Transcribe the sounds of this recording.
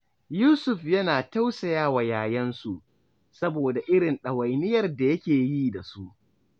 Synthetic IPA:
juː˦sʊ˨ɸjɐ˦naː˨ta˦wsɐ˨jaː˦wa˨jaː˨jɐ˦nsu˨ʔ | sɐ˦boː˨da˨ʔɪ˦ɽɪ˨nɗɐ˨wa˨jnɪ˦jɐ˨rda˨jɐ˦kʲeː˨jiː˦da˨su˦ʔ

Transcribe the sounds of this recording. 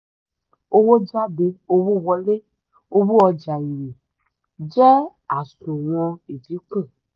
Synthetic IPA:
o˦wo˦d͡ʒa˦be˨o˦wu˦wɔ˨le˦ | wo˦bu˦ɔ˧d͡ʒa˨ji˨i˨ | d͡ʒɛ˦ | a˨sũ˨wɔ̃˦e˨vi˨˦k͡pe˦˨

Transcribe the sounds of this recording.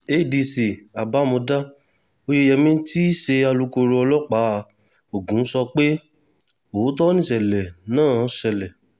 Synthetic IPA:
e˦˨di˧si˨a˨ba˨˦˨mõ˧da˦ | o˧je˧jɛ˧mĩ˦ti˦ʃe˧a˧lu˧˦ko˧ɾo˧ɔ˧lɔ˦k͡pa˨˦˧ | o˨ɡũ˨˦n̩˦sɔ˧k͡pe˦ | o˨˦tɔ˦nĩ˦˨ʃɛ˨lɛ˨nãː˦˨˦ʃɛ˧˨lɛ˨

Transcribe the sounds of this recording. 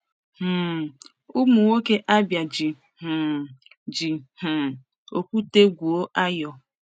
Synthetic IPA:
h̩˨ | u˦mu˨ŋo˦ke˦ʔa˦bja˨d͡ʒi˨ | h̩˨ | d͡ʒi˨h̩˨ | o˨kʷu˦te˦ɡʷu˨o˦ʔa˦jɔ˨

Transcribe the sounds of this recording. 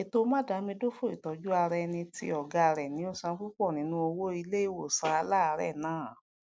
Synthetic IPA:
e˨to˦mã˦˨da˨˦mĩ˧˦do˦fo˦˨i˨tɔ˨d͡ʒu˦a˧ɾɛ˧nĩ˧tḭ˧ɔ˨ɡa˨ɾɛ˨nĩ˨˦o˦˨sã˧ku˦k͡pɔ˦˨nĩ˨˦nũ˧o˧wo˦i˧le˦i˦wo˦˨sa˧a˧la˦˧˦ɾɛ̰˦˨nãː˨˦˨

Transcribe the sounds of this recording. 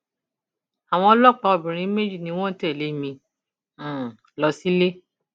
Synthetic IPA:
a˨w̃ɔ̃˧˦lɔ˦˨k͡pã˧o˨bĩ˨ɾ̃ĩ˧˦me˦d͡ʒi˦˨nĩ˧˦w̃ɔ̃˦tɛ˦˨le˦mĩ˧˦˨ | lɔ˧si˦le˦

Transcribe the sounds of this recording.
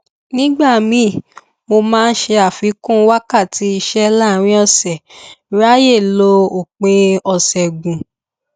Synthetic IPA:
nĩ˦ɡ͡ba˦˨mĩ˨˦˨ | mo˧mãː˦n̩˦ʃe˧a˨fi˨˦kũ˦wa˦ka˦˨ti˨˦i˧ʃɛ˦la˦˨˦ɾ̃ĩ˦ɔ˦˨sɛ˨˦ɾa˦je˦˨lo˧o˨k͡pẽ˧ɔ˧˨sɛ˨ɡũ˨

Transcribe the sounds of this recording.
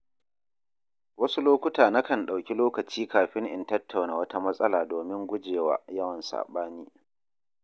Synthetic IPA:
wɐ˦su˦loː˦kʷʊ˦taː˨na˦kɐ˦˨nɗa˨wkʲi˦loː˦kɐ˨t͡ʃiː˦kaː˨ɸɪ˦ŋʔɪ̰˨ntɐ˦tʰːa˨wnaː˨wɐ˦ta˦mɐ˦sʼɐ˦laː˨doː˨mɪ˦ŋɡʷʊ˦d͡ʒeː˨wa̰ː˨jɐ˦wɐ˨nsa̰ː˨ɓaː˦niː˦

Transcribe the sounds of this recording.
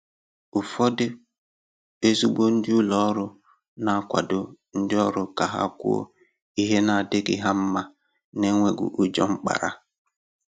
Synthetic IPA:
ʊ˨fɔ˦dɪ˦ | e˦zu˦ɡ͡bo˦n̩˦dɪ˦ʊ˦lɔ˨˦ɾʊ˦ | na˨a˦˨kʷa̰˨dʊ˨n̩˦dɪ˦ɔ˦ɾʊ˦ka˨ɦa̰˦˨kʷṵ˦o̰˦ | i˦ɦe˦na˨de˦ɡɪ̰˦ɦa˦m̩˦ma˦ | ne˦ŋʷe˦ɡʊ̰˨ʔu˦d͡ʒɔ˦ŋ͡m̩˦k͡pa̰˨ɾa̰˨

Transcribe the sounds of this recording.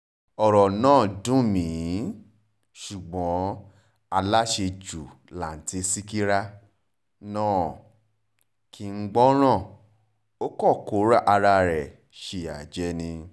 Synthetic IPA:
ɔ˨ɾɔ˨nãː˦˨dũ˦mĩ˨˦ | ʃu˨ɡ͡bɔ̃˨˦ | a˧la˦ʃe˧d͡ʒu˨la˨n̩˨ti˨˦si˦ki˦ɾa˦ | nãː˦˨ | ki˨˧ŋ͡m̩˦ɡ͡bɔ˦ɾ̃ã˦˨ | o˦kɔ˦˨ko˨˦ɾa˦ʔa˧ɾa˧ɾɛ˨ | ʃe˧˨a˨d͡ʒɛ˨˦nĩ˧

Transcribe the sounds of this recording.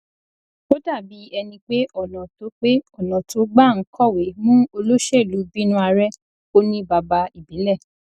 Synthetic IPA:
o˦da˦˨bi˨˦ɛ˧nĩ˧k͡pe˦ʔɔ˨nɔ̃˨to˨˦k͡pe˦ɔ˦˨nãɔ̃˨to˨˦ɡ͡ba˦˨ŋ̩˨˦kʰɔ˦˨we˨˦mũ˦o˧lo˦ʃe˦˨lu˨˦bi˦nũ˦a˧ɾɛ˦ | o˦nĩ˦ba˧ba˧i˨bĩ˨˦lɛ˦˨

